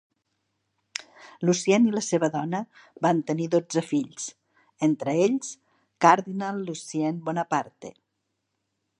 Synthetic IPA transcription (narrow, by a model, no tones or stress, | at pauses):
lusiɛniləseβəðɔnə | bant̪əniðod͡zəfiʎs | ent̪ɾəeʎs | kaɾðinalˠːusiɛnbɔnəpaɾt̪ḛ